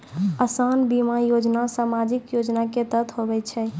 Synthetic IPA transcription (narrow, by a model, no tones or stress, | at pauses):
əsanbimajod͡ʒnasamad͡ʒikjod͡ʒnaket̪ət̪ʰɦobɛt͡ʃʰɛ